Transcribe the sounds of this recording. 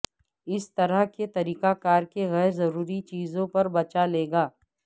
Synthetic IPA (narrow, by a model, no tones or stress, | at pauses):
ɪst̪ɐɾəɦket̪ɐɾiːkakaːɾkeɣɛːɾzɐɾuːɾit͡ʃiːzõpɐɾbɐt͡ʃaleːɡaː